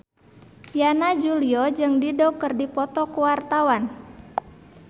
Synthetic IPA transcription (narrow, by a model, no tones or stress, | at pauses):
janad͡ʒuliɔd͡ʒɨŋdidɔkɨrdipɔt̪ɔkuwart̪awan